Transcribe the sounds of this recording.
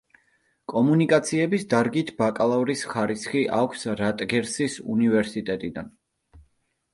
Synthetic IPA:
kʼɔmunikʼat̪sʰiɛbisd̪aɾɡit̪ʰbakʼalˠavɾisχaɾisχiʔakʷʰsɾat̪ʼɡɛɾsisṵnivɛɾsit̪ʼɛt̪ʼid̪an

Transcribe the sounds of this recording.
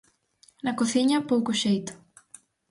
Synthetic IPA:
nɐkoθiɲɐpowkʊʃejt̪ʊ̥

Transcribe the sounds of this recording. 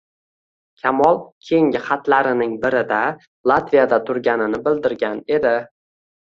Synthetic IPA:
kʲʰamɒlˠkʲʰejɪŋʲɪχat̪laɾɪnɪŋbɪɾɪd̪a | lˠat̪vijad̪at̪ʰʊɾɡʲanɪnɪbɪld̪ɪɾɡʲane̞d̪ɪ

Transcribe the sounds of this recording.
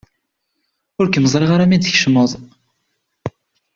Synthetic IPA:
ʊɾkəməzˤɾeʁaɾæmid̪əçʃməðˤ

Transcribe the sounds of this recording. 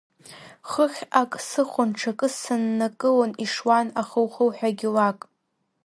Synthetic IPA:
χəχʲakʼsɨχʷʊnʈ͡ʂʰakʼɨsanːakʼɨloniʂwanaχəwχəwħᶣaɡʲɪlakʼ

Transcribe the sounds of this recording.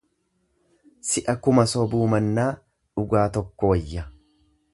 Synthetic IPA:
sɪʔɐkʊmɐsɔbuːmɐnːaː | ᶑʊɡaːt̪ɔkːɔwɐjːɐ

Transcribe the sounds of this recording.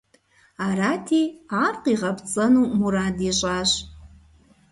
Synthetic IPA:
aɾatʰiarqʼiʁapʰt͡sʼɐnumuɾadiɕʷʼaɕʷ

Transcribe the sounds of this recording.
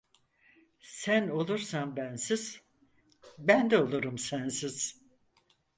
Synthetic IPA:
sæno̞lˠuɾsanbænsiz̥ | bænd̪ɛolˠuɾumsænsiz̥

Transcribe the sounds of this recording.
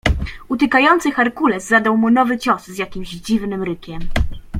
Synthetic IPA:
ut̪ɘkajɔnt̪sɘxaɾkulɛzːad̪awmunɔvɘt͡ɕɔszʲjakʲimʑd͡ʑivnɘmɾɘkʲɛm

